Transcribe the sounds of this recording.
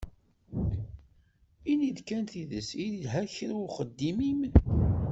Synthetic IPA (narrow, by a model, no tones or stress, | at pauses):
iniðkænθiðəsiðilɦæçɾʊχəd̪ːimim